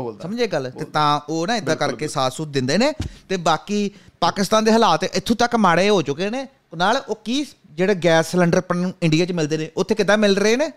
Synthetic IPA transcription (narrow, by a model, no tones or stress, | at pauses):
səməɲd͡ʒeːɡəlt̪eːt̪ãːoːnãːɪd̪aːkəɾkeːsaːt̪sʊt̪̚d̪ɪ̃nd̪eːneːt̪eːbaːkiːpaːkɪst̪aːnd̪eːɦəlaːt̪ʔɪt̪ʰːũːt̪əkmaːɽeːɦoːt͡ʃʊkeːneː | naːloːkiː | d͡ʒeːɽeːɡɛːslɛ̃ɳɖəɾpənɪ̃ɳɖijaːt͡ʃmɪld̪eːneːʔʊt̪ʰːeːkɪd̪ãːmɪlɾəeːneː